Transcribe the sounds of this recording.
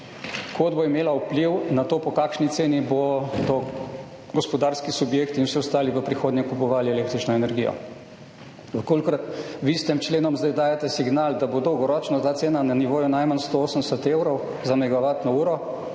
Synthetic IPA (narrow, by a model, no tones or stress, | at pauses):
kʰod̪boimeːlaupliwnat̪oːpɔkaːkʃnit̪seːnibod̪ɔ | ɡɔspɔd̪aːɾskisubjeːkt̪inwsiɔst̪aːliʋəpɾixoːd̪nɲɛkupɔʋaːliɛleːk̚t̪ɾit͡ʃnɔɛnɛɾɡijɔ̰ | ʋəkoːlʲkɾat̪ʋist̪ɛmt͡ʃleːnɔmzd̪ajd̪aːjat̪ɛsiɡnaːld̪abod̪ɔwɡɔɾɔːt͡ʃnɔt̪aːt̪seːnananiʋoːjunajmanst̪ooːsənd̪ɛsɛt̪eːwɾɔw | zamɛɡaʋaːt̪nɔuːɾɔ